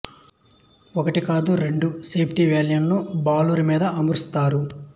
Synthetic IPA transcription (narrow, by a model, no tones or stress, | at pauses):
ɔkɐʈikaːd̪uɾe̞ɳɖuseːpʰʈiʋeːljɐnloːbaːlɐɾumiːd̪ɐɐmɾust̪aːɾu